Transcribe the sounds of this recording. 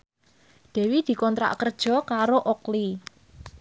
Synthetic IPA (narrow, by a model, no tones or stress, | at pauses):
d̪̥ɛ̤wid̪̥i̤kɔnt̪ɾa̰ʔkərd̥ʒ̥ɔ̤kaɾoʔokli